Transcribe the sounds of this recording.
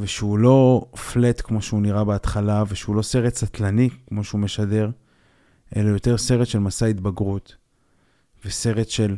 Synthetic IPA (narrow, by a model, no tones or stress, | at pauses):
veʃeulo̞flet̪kmo̞ʃeuniʁabeat̪χalaveʃeulo̞se̞ʁet̪sat̪lanikmo̞ʃeumeʃade̞ʁ | ʔe̞lajo̞t̪e̞ʁse̞ʁetʃe̞lmasait̪baɡʁut̪ | vese̞ʁet̪ʃe̞l